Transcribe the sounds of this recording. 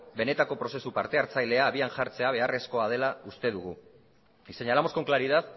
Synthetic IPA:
be̞ne̞t̪ako̞pɾo̞se̞supaɾt̪e̞aɾt͡sajle̞aːβianʝaɾt͡se̞aβ̞e̞are̞sko̞að̞e̞laust̪e̞ðuɣu | ise̞ɲalamosko̞ŋklaɾið̞at̪

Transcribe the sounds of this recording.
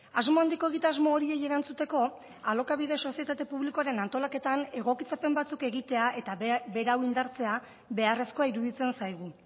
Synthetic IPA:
azmoand̪iko̞e̞ɣit̪azmoːɾie̞je̞ɾant͡sut̪e̞ko̞ | alo̞kaβiðe̞so̞sije̞t̪at̪e̞puβ̞likoaɾe̞nant̪o̞lake̞t̪ane̞ɣ̞o̞kit͡sape̞mbat͡suke̞ɣit̪e̞aʔe̞t̪abe̞ɾawind̪aɾt͡se̞a | βe̞are̞sko̞aiɾuðit͡se̞nsajɣ̞u

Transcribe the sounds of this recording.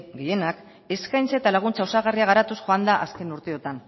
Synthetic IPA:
ɡeje̞nak | e̞skajnt͡sat̪alaɣ̞unt͡saosaɣariaɣ̞aɾat̪usxoand̪aʔaske̞nuɾt̪eo̞t̪an

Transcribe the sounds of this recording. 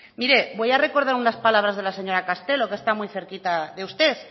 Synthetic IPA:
miɾebo̞jare̞ko̞ɾð̞aɾunaspalaβɾazð̞e̞laseɲo̞ɾakast̪e̞lo̞kest̪amujθe̞ɾkit̪aðeust̪es

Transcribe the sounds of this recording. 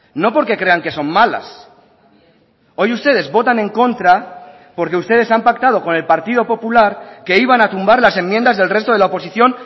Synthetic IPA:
no̞po̞ɾke̞kɾe̞aŋke̞so̞mmala̰s | o̞just̪e̞ð̞e̞zβo̞t̪anẽ̞ŋko̞nt̪ɾa | po̞ɾke̞ust̪e̞ð̞e̞sampak̚t̪aðo̞ko̞ne̞lpaɾt̪iðo̞po̞pulaɾke̞iβ̞anat̪umbaɾlase̞mːjend̪azðe̞lre̞st̪oðelaopo̞siθjo̞n

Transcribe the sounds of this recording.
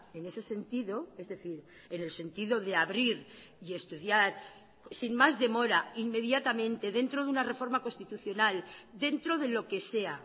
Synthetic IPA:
e̞ne̞se̞se̞nt̪iðo̞e̞zðe̞θiɾ | e̞ne̞lse̞nt̪iðo̞ðe̞aβɾiɾ | ie̞st̪uðjaɾ | sinmazðe̞mo̞ɾainːe̞ðjat̪amẽ̞nt̪e̞ðe̞nt̪ɾoðunare̞fo̞ɾmako̞nst̪it̪uθjo̞nald̪e̞nt̪ɾo̞ðe̞lo̞ke̞se̞a

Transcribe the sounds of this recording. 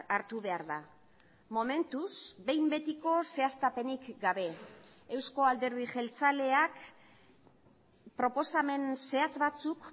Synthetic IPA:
aɾt̪uβe̞aɾða | mo̞me̞nt̪usbe̞jmbe̞t̪iko̞se̞ast̪ape̞nikɡaβ̞e̞ːwsko̞ald̪e̞ɾðiʝe̞lt͡sale̞ak | pɾo̞po̞same̞nse̞at͡sβat͡suk

